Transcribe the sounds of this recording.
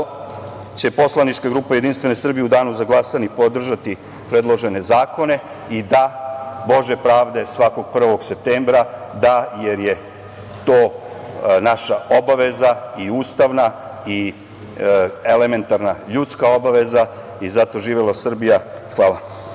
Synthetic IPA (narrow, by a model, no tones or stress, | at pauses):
t͡ɕe̞po̞slˠanit͡ʃkaɡɾuːpajed̪inst̪ʋe̞nesr̩bijeud̪aːnuzaɡlˠasanipo̞d̪r̩ʒat̪i | pɾe̞d̪lo̞ʒe̞ne̞zaːko̞ne̞ | id̪abo̞ʒe̞pɾaːʋd̪e̞sʋako̞ɡ̥̚pr̩ʋo̞ɡse̞p̚t̪eːmbɾad̪aje̞ɾje̞ | t̪o̞ː | naʃao̞baʋe̞zaiuːst̪aʋnai | ele̞me̞nt̪aɾnaʎut̪skao̞baʋe̞za | izat̪o̞ʒiːʋelasr̩bijaxʋaːla